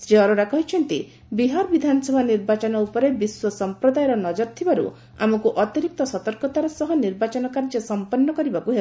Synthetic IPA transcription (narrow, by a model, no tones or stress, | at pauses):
sɾiɔɾoɾakɔɦit͡ʃʰɔnt̪i | biɦaɾɔbid̪ʱanɔsɔbʱaniɾbat͡ʃɔnɔupɔɾebiswɔsɔmpɾɔd̪ajɔɾɔnɔd͡ʒɔɾt̪ʰibaɾṵ | a̰mɔkuʔɔt̪iɾik̚t̪ɔsɔt̪ɔɾkɔt̪aɾɔsɔɦɔniɾbat͡ʃɔnɔkaɾd͡ʒɔsɔmpɔnːɔkɔɾibakuɦe